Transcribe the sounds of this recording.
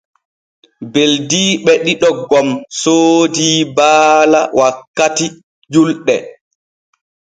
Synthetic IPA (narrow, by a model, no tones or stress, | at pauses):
beldiːɓɛɗiɗɔɡɔmsoːdiːbaːlawʔakːati | d͡ʒulɗɛ